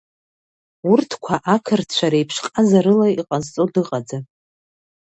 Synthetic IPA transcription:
urtʰkʷʰaʔakʰɨrtʰt͡ʃʷʰaɾajpʰʂqʼazaɾɨlaiqʼazt͡sʼodɨqʼad͡za

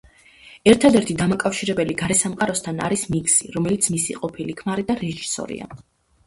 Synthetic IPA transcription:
ɛɾt̪ʰad̪ɛɾt̪ʰid̪amakʼafʃiɾɛbɛliɡaɾɛsamqʼaɾɔst̪ʰana̰ɾismiksiɾɔmɛlit̪sʰmisḭqʼɔpʰilikʰmaɾid̪aɾɛʒisɔ̰ɾḭa̰

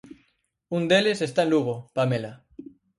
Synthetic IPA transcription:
und̪elesest̪aenluɣopamela

